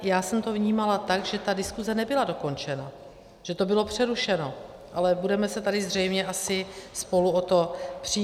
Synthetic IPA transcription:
jaːsɛmt̪o̞vɲiːmalat̪aɡʒɛt̪adɪskuzɛnɛbɪlado̞ko̞nt͡ʃɛna | ʒ̥ɛt̪o̞bɪlo̞pr̝̥ɛɾuʃɛno̞ | ʔalɛbudɛmɛsɛt̪adɪzr̝ɛjmɲɛasɪspo̞luot̪o̞pr̝̥i

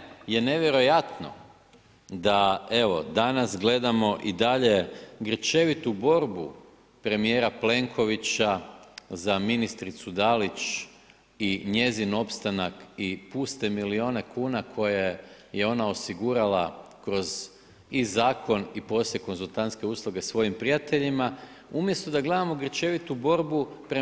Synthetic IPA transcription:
je̞ne̞ʋjeɾo̞jat̪no̰ | d̪ae̞ʋo̞d̪anasɡle̞d̪amo̞ʔid̪aʎe̞ɡr̩t͡ʃe̞ʋit̪ubo̞ɾbu | pɾe̞mije̞ɾaple̞ŋkʰo̞ʋit͡ɕazaminist̪ɾit̪sud̪alit͡ʃ | iɲe̞zino̞pst̪anakipuːst̪e̞milio̞ːne̞kʰuːnakʰo̞je | je̞o̞nao̞siɡuɾalˠa̰kɾo̞z | izaːkʰo̞nipo̞sljeko̞nzulˠt̪ant̪ske̞uːslˠuɡe̞sʋo̞jimpɾijat̪e̞ʎimaumje̞st̪o̞d̪aɡle̞d̪amo̞ɡr̩t͡ʃe̞ʋit̪ubo̞ɾbupɾ

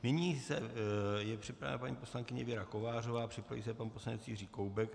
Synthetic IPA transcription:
nɪɲiːsɛjɛpr̝̥ɪpɾavɛ̰napaɲiːpo̞slaŋkɪɲɛvɪɾako̞vaːro̞vaːpr̝̥ɪpɾavḭs̬ɛpanposlanɛt͡sjiriːkowbɛk

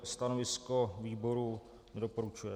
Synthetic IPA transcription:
st̪anovɪskoviːbo̞ɾu | nɛdopo̞ɾut͡ʃujɛ

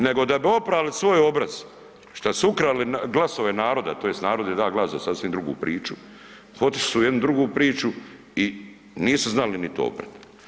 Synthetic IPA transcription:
ne̞ɡo̞d̪abio̞pɾaːlisʋo̞jo̞bɾaz̥ | ʃt̪asuukɾaliɡlˠaso̞ʋe̞naːɾo̞d̪at̪ojest̪naːɾo̞d̪jed̪aːɡlˠaːsasasʋiːmd̪ɾuɡṵːpɾiːt͡ʃu | hot̪isujed̪nud̪ɾuɡuːpɾiːt͡ʃu | i | niːsuznalinit̪o̰o̰bɾa̰d̪

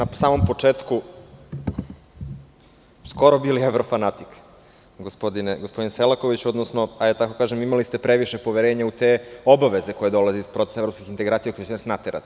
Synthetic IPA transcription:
nasaːmo̞mpo̞t͡ʂeːt̪ku | sko̞ɾobilieʋɾo̞fanat̪ik | ɡospod̪ineɡospo̞d̪inselako̞ʋit͡ɕuod̪nosnoaɛat̪ako̞kaːʒemimalist̪e̞pɾeʋiʃepo̞ʋeɾeːɲaut̪eobaʋe̞ze̞ko̞je̞d̪o̞lˠaziispɾo̞t̪e̥sevɾopskixint̪eɡɾaːt̪sijako̞jet͡ɕenasnat̪eɾa̰t̪i

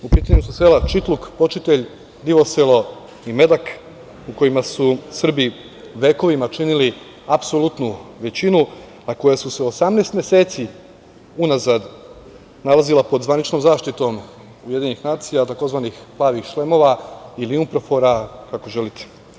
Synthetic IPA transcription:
upiːt̪aɲususelat͡ʃit̪lukpo̞t͡ʃit̪e̞ʎ | d̪iʋoselˠo̞ | ime̞d̪ak | uko̞jimasusr̩bi | ʋe̞ːko̞ʋimat͡ʃinili | apsolut̪nuʋe̞t͡ɕinu | ako̞jasuseosamneːst̪mʲje̞se̞ːt̪si | unazad̪ | nalˠazilˠapo̞d̪zʋanit͡ʃno̞mzaːʃt̪it̪o̞m | uje̞d̪iɲenixnaːt̪sijat̪ako̞zʋaːnixplˠaːʋixʃlˠemo̞ʋailiumpɾofo̞ɾakako̞ʒe̞lit̪e̥

